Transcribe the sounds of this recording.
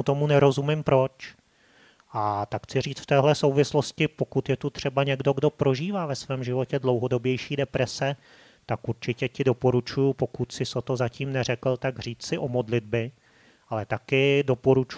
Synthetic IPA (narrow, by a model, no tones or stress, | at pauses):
ut̪o̞munɛɾo̞zumɪmpɾo̞t͡ʃ | ʔat̪akxt͡sɪr̝iːt͡sft̪ɛːɦlɛsowvɪslo̞scɪpo̞kut̪jɛt̪ut̪r̝̥ɛbaɲɛɡdo̞ɡdo̞pɾo̞ʒiːvaːvɛsvɛːmʒɪvo̞cɛdlo̞wɦo̞do̞bjɛjʃiːdɛpɾɛsɛ | t̪akʔuɾt͡ʃɪcɛcɪdo̞po̞ɾut͡ʃujupo̞kut̪sɪsot̪ozaciːmnɛr̝ɛkl̩t̪aɡr̝iːt͡ssɪʔo̞mo̞dlɪd̚bɪ | ʔalɛt̪akɪdo̞po̞ɾut͡ʃ